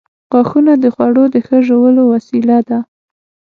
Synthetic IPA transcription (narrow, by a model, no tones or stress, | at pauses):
ɣɑxunad̪əxwaɽod̪əxəʒowəlowasilad̪a